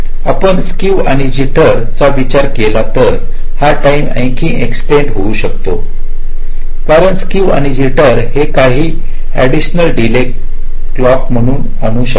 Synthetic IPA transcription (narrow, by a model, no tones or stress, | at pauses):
apəɳskiʋa̰ɽ̃id͡ʑiʈəɾt͡saʋit͡ɕaɾkelat̪əɾ | haʈaimə̰̃j̃kʰĩːʔeksʈeɳɖɦouːɕək̚t̪o | kaɾəɳskiʋa̰ɽ̃id͡ʑiʈəɾhekaɦiː | æɽiɕnəlɖile | lɔkm̤əɽ̃uːn | əñuɕə